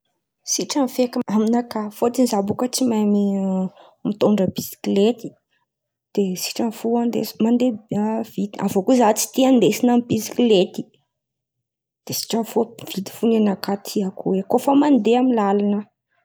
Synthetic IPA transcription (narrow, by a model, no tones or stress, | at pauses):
siʈ͡ʂənfekiaminakafot͡s̪inzabukət͡simajmi | mit̪oɳɖ͡ʐəbisi̥klet̪i̥ | d̪̥esi̥ʈ͡ʂənfuand̪ḛsmand̪ev̥it̪iavokuzat͡si̥t̪iand̪esinamibisi̥klet̪i̥ | d̪̥esi̥ʈ͡ʂənfovid̪i̥funenakat̪ʰiakuwekofəmand̪eamilalanə